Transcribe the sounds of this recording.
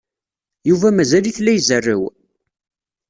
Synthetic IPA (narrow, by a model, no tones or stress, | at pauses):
juvæmæzæliθlːæjzərːə̰w